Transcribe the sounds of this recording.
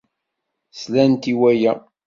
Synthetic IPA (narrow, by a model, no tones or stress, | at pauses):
slænt̪iwæjæ